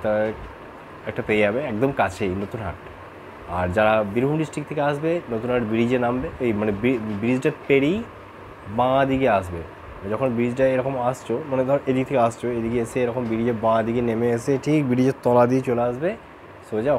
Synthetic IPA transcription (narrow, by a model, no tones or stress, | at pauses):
ta | ɛk̚ʈapeiabeɛkd̪ɔmkat͡ʃʰenot̪unɦa̰ʈ | aɾd͡ʒaɽabiɾbʱumɖisʈɾikt̪ʰekeasbenot̪unɦaʈbiɽid͡ʑenambeojmanebibiɖid͡ʑʈapeɽi | bãːd̪iɡeas̬be | d͡ʒɔkʰonbiɽid͡ʑʈaeɾɔkomast͡ʃʰomaned̪ʱɔʔed̪ikt̪ʰekeast͡ʃʰoed̪iɡeeseeɾɔkombiɖid͡ʑebãd̪iɡenemeeseʈʰik̚biɽid͡ʑet̪ɔlad̪it͡ʃoleasbe | sod͡ʑa